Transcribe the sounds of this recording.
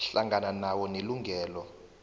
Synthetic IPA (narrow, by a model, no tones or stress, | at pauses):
ɬaŋɡananawɔneluŋɡʱɛːlɔ